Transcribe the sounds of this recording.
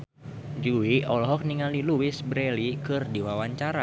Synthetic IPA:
d͡ʒuwiɔlɦɔk̚niŋaliluwisbɾɛlikɨrdiwawaɲt͡ʃaɾa

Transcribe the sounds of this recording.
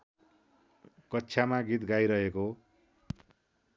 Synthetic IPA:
kʌtːsʰjamaɡit̪ɡajɾʌɦeko

